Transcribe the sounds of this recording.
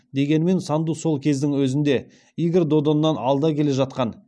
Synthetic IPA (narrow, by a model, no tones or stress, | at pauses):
d̪e̞ɡʲenɪme̞nsɑnd̪uso̞lˠkʲʰe̞zd̪ɪŋwɵzɪnd̪e̞ | ijɡʲɪɾd̪o̞d̪o̞nːɑnɑlˠd̪ɑkʲʰe̞le̞ʒɑt̪̚qɑn